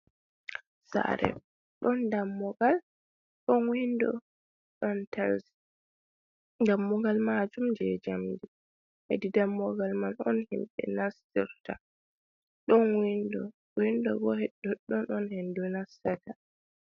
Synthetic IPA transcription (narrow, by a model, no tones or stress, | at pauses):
sa̰ɾɛ̰ | ɗɔndamːɔɡal | ɗɔnwindɔ̰ | ɗɔntals | ɡamːɔɡalmad͡ʒumd͡ʒɛd͡ʒamdi | hɛ̰didamːɔɡalmanɔnhimɓɛ̰nasiɾta | ɗɔnwindɔ | windɔɡɔhɛdːɔɗːɔnɔnhɛndunasːata